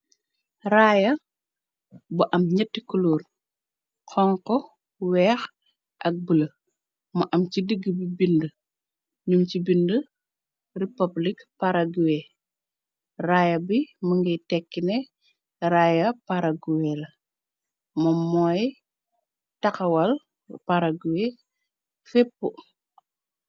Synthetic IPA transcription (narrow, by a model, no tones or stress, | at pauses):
rajɐ | buʔɐmɲɛtːikuluːr | kʰɔŋkɔ | wɛːx | ʔɐk̚bəlɐ | mɐʔɐmcidəɡːəbibində | ɲumcibində | ripɐblikpaɾɐɡuwɛ | rajɐbiməŋɡɐjtɛkːinɛ | rajɐpaɾɐɡuwɛlɐ | mɐmɔːj | tɐkɐwɐl | paɾɐɡuwɛ | fɛpːu